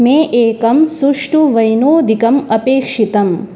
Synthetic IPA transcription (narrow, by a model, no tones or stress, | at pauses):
meːʔeːkɐmsuʂʈuʋɐjnoːd̪ʱikɐmɐpeːkʂit̪ɐm